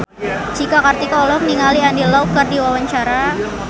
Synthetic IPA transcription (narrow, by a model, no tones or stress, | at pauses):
t͡ʃikakart̪ikɔlɔkniŋaliandilaukardiwawaɲt͡ʃaɾa